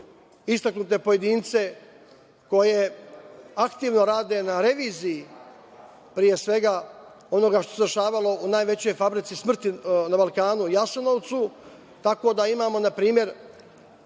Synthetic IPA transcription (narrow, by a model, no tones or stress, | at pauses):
ist̪aknut̪e̞poje̞d̪iːnt̪se̞ | ko̞je̞ | akt̪iːʋno̞ɾaːd̪e̞naɾe̞ʋiːziji | pɾije̞sʋe̞ɡa | o̞no̞ɡaʃt̪o̞sed̪ɾʃaːʋalo̞ʔunaːjʋe̞t͡ɕo̞jfabɾit̪sismr̩t̪inabalˠkaːnujasano̞ʋt̪su | t̪ako̞d̪aimaːmo̞napɾiːmje̞ɾ